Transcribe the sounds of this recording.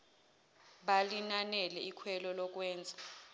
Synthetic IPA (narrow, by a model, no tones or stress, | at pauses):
ɓalinanɛlɛikʰwɛlɔlɔk̬wɛːnd͡zʱḁ